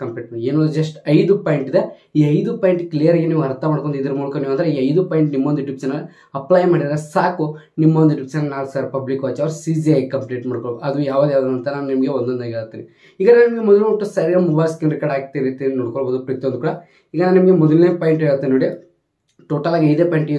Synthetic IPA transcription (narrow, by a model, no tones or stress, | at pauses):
kɐmpliːʈɐɳeːnond̪ud͡ʒɐsʈɐjd̪upaːjiɳʈid̪e | iːɐjd̪upaːjɳʈklijɐɾɡeniːʋuɐɾt̪ʰɐmaːɽkond̪id̪ɐɾɐmuːlukɐniːʋɐnd̪ɐɾeiːɐjd̪upaːjɳʈnimːond̪uʈipsɐnɐlː | ɐplaːjmaːɽid̪aɾesaːku | nimːond̪uʈipsnɐlnaːlksaːɾpɐblikʋaːt͡ʃaːʋɐɾsiːd͡ʒiɐjkɐmpliːʈmaːɽkoɭbod̪uɐd̪ujaːʋaːd̪ujaːʋd̪ɐɐnt̪ɐnaːnunimɐɡeond̪ond̪aːɡeaɾt̪ːiːni | iːɡɐnːnimɐɡemɔd̪ɐloʈːusɐɾiɡɐmubaːɾskinɾikaɽaːk̚t̪iɾit̪ːininoːɽkoɭboːd̪upɾikt̪iond̪ukːɽɐ | iːɡɐnaːnnimɐɡemɔd̪ɐlneːpaːjɳʈeɭt̪ːinːoːɽi | ʈoːʈɐlaːɡɐjd̪eːpaːjiɳʈ